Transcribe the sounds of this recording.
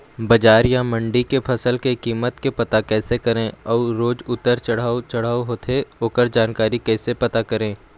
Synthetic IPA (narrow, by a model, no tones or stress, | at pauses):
bɐd͡ʒaːɾjamɐ̃ɳɖikepʰɐsəlkekiːmət̪kepɐt̪akɛːsekɐɾẽːɔːɾoːd͡ʒʊt̪ːəɾt͡ʃɐɽ̤aːot͡ʃɐɽ̤aːɦoːt̪ʰeoːkəɾd͡ʒaːnkaːɾikɛːsepɐt̪akɐɾẽː